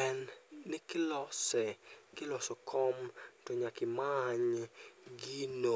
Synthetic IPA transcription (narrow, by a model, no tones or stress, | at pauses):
ɛnːɪkɪlɔsɛkɪlɔsɔkʰɔmtɔɲakɪmaɲ | ɡino